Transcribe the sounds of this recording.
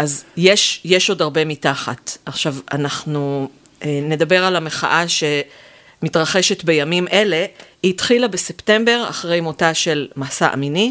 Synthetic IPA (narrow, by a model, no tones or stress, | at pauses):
ʔazjeʃjeʃo̞daʁbe̞mitaχa̰taχʃavanaχnu | ene̞dabe̞ʁalame̞χa̰ʔaʃe̞ | mitʁaχe̞ʃe̞tbe̞jamimʔe̞le̞ | iːtχilabe̞septe̞mbe̞ʁa̰χʁejmotaʃe̞lmasaʔa̰mini